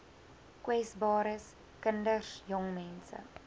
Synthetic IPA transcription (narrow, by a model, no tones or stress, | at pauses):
kwɛsbɑːɾəs | kəndəsjɔŋmɛnsə̰